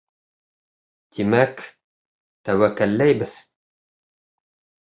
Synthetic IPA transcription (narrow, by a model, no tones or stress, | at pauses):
t̪imæk | t̪æwækːælːæjbɘð